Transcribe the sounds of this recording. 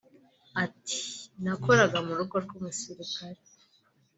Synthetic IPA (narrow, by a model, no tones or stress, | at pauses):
ati̥nako̞ɾaɡamuɾukoɾɡumusiɾikaɾe